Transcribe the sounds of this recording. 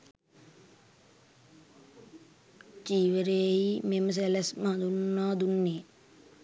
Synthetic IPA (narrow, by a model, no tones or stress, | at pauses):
t͡ʃiːʋəɾeːimeməs̬elesmɐd̪unːaːd̪unːeː